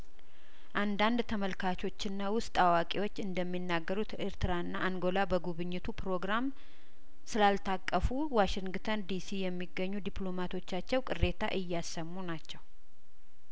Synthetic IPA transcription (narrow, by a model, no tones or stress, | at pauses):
ʔand̪and̪t̪ʰəməlkʰat͡ʃʰo̞t͡ʃːɪnːawʊst̪ʼawakʼiwo̞t͡ʃːɨnd̪əmːinːaɡːəɾut̪ɪɾt̪ʰɨɾaɨnːaʔaŋɡo̞labəɡuβɨɲːɪt̪ʰupɾo̞ɡɾam | sɨlalt̪ʰakʼːəfu | waʃɪŋɡt̪ʰənd̪isijɛmːiɡːəɲːud̪iplo̞mat̪ʰo̞t͡ʃːat͡ʃːɛwkʼɨrːe̞t̪ʰa̰ʔɨjːasəmːunat͡ʃːɛw